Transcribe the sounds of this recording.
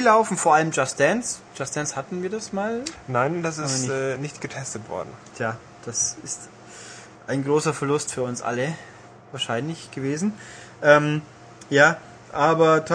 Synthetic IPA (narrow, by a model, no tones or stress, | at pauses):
laʊfn̩foːɐʔaləmd͡ʒastd̥ɛnsd͡ʒ̥asd̥ɛnshatn̩viːɐdasmaːlnaɪnd̥asɪsnɪʔɛːnɪçtɡ̥ətʰɛstətv̥ɔ̰ɐdn̩tʰjaː | d̥asɪst | ʔaɪnɡʁoːsɐfɛɐlʊstfyːɐʊnsʔa̰lə | vaːɐʃaɪnlɪçɡ̥əveːzn̩ | ʔɛːm | jaː | ʔaːbɐtʰ